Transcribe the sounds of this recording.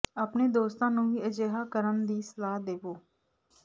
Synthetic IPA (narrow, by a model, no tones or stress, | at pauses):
aːpneːd̪oːst̪ãːnũːiːəd͡ʒeːɦaːkəɾənd̪iːsəlaːɦd̪eːʋoː